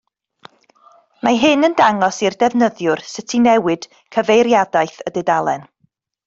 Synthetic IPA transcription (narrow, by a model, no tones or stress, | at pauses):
maɦɨnəndaŋɔsirdɛvnəðjʊrsɪtʰinɛwɨd̥ | kʰəvejɾjadajθədɛdalˠɛn